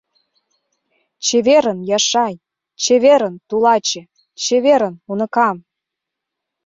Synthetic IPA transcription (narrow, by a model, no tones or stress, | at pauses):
t͡ɕeβeɾənjɑʃɑj | t͡ɕeβeɾə̆nt̪ulɑt͡ɕĕ | t͡ɕeβeɾənunɤ̆kɑm